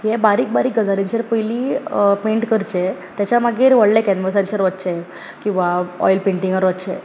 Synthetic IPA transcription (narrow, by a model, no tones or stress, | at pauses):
jɛbaɾiːk̚baɾiːkɡəd͡zaliɲt͡ɕeɾpəjliːpẽɳʈkəɾt͡ɕe | t̪jat͡ɕamaɡiːɾʋəɽlekɛnməsãnt͡ɕəɾʋət̪ːt͡ɕɛ | kĩw̃ʋaɔ̰jlpẽɳʈĩŋəɾʋət̪t͡ɕe